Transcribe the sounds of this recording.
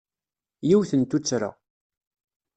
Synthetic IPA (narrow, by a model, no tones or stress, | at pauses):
jiwθənt̪ut͡sːɾa̰